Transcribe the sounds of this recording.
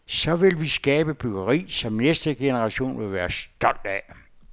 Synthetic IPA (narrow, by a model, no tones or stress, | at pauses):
sɒ̽ʋe̝lʋisɡ̥ɛːb̥əb̥yɡ̥əʁḭːsɒ̽mnesd̥əɡ̥e̝nəʁɑ̈ɕo̝̰ːnʋe̝lʋæːɐsd̥ɒ̽l̰d̥æ